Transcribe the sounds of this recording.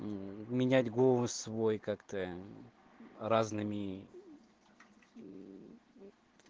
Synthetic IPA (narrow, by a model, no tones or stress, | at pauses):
mʲɪnʲætʲɡosvo̞jkakt̪ə | ɾaznɨmʲɪ